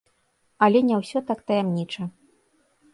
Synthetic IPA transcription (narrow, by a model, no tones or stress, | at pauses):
ɐlʲɛnʲawsʲɔt̪akt̪ɐjamnʲit͡ʂɐ